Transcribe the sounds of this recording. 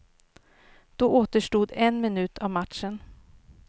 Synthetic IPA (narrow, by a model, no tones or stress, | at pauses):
d̪̥oːʔoːt̪əʂʈuːd̪ɛnmɪnʉt̪ʰɑʋmat̪ʃən